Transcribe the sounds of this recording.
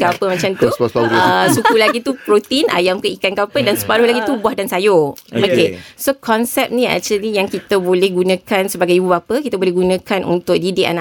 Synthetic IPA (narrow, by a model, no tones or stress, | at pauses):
kapəmãt͡ʃamt̪usasukulaɡit̪upɾot̪inʔa̰jamkəikankaapədansə̥paɾʊhlaɡit̪ubwahdansajookesokɔnsɛp̚nĩɛ̰k̚t͡ʃuəlijaŋkit̪əbolɛhɡunə̃kansəbaɡajibubapəkit̪abolɛhɡunə̃kanʔṵnt̪ʊk̚didiʔa̰na